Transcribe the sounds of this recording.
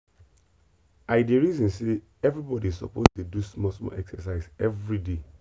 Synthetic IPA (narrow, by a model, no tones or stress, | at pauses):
aɪdeɹizɔ̃nse | ɛvɹibɔdiizsɔ̰postudusmɔsmɔ̰ʔɛksɛsaɪzɛvɹide